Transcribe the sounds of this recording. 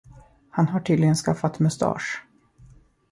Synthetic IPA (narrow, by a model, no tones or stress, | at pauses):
hanɦaʈʰyːd̪lɪɡənskafːat̪mɵst̪ʰɑ̰ːʂ